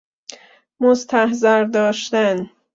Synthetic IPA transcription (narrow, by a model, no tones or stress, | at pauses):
most̪ʰæhzæɾd̪ɒːʃt̪æn